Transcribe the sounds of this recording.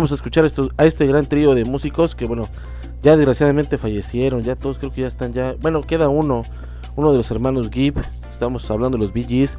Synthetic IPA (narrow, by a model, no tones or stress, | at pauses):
mos̬aeskut͡ʃaɾaest̪oae̞st̪e̞ɣɾant̪ɾio̞ðe̞musiko̞skeβweno | ɟ͡ʝaðe̞zɣɾasjaðamẽnt̪e̞faʝe̞sje̞ɾo̞nʝat̪o̞ðoskɾeokeʝaest̪anʝabwe̞no̞ke̞ðauno̞ | uno̞ðe̞lo̞se̞ɾmãno̞zɡip | est̪aβamo̞saβland̪o̞elozbiʝis